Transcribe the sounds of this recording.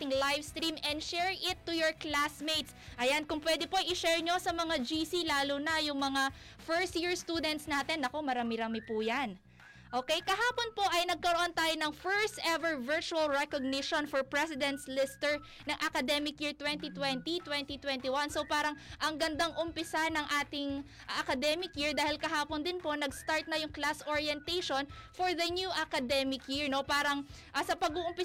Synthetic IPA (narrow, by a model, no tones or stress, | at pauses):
ɪŋlajvst̪ɾiːmɛnd̪ʃɛɹʔɪt̪ːʊjoɹklasmejt̪sʔɐjankʊŋpwɛd̪ɛpojʔɪʃɛɹɲo̞sɐmɐŋad͡ʒisilaːlʊnɐjʊŋmɐŋa | fɛɹst̪̚jiɹst̪uːd̪ɛnt̪snaːt̪ɛnʔɐko̞mɐɾaːmɪɾaːmɪpuːjan | ʔo̞ːkɛjkɐɦaːponpo̞ʔɐjnɐɡ̚kɐɾoʔont̪aːjonɐŋfɛɹst̪ʔɛvɛɹvɛɹt͡ʃuɐlɹɛkoɡ̚nɪʃonfɔɹpɹɛsɪd̪ɛnt̪slɪst̪ɛɹ | nɐŋʔɐkɐd̪ɛmɪkjiɹt̪wɛnt̪it̪wɛnt̪it̪wɛnt̪it̪wɛnt̪iwansowpaːɾɐŋʔɐŋɡɐnd̪aŋʔʊmpɪsanɐŋʔaːt̪ɪŋ | ʔɐkɐd̪ɛmɪkjɪɹd̪aːhɪlkɐɦaːpond̪ɪnpo̞nɐɡst̪aɹt̪̚nɐjʊŋklasʔoɹjɛnt̪ejʃonfoɹðɐnjuʔɐkɐd̪ɛmɪkjɪɹno̞paːɾɐŋ | ʔɐsɐpɐɡuːʔʊmpɪ